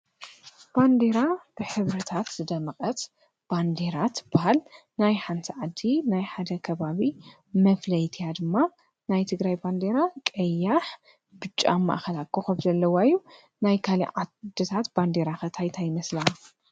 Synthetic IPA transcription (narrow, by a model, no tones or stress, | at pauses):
b̥and̪e̞ɾab̥ɨħɨβɾɨt̪ʰat̪zɨd̪ɐmɨkʼɐt̪ | b̥and̪e̞ɾat̪b̥ahalnajħant̪ʰiʕad̪ːinajħad̪ɐkʰɐβaβi | mɐflɐjt̪ʰijad̪ɨmːa | najt̪ʰɨɡɾajband̪e̞ɾakʼɐjːaħ | b̥ɨt͡ʃʼːa̰mːa̰ʔxɐlakʰːoxɐmzɐlːɐwajːu | najkʰalḭʕad̪ɨt̪ʰat̪b̥and̪eɾaxɐt̪ʰajt̪ʰajɪmɐsla